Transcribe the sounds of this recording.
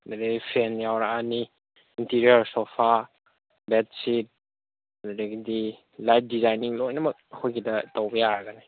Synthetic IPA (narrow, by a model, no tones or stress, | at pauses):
deɾeɡipʰenjawɾaani | intiɾiəɾsopʰaɾ | bet̚sit̚ | naɾeɡidi | lajp̚ʰdizajniŋlojnɐmɐk̚əkʰojɡidɐtowbɐjaɾɐɡɐni